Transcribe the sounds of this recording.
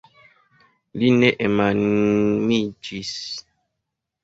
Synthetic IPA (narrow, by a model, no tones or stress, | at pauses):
linɛʔɛmanmid͡ʒis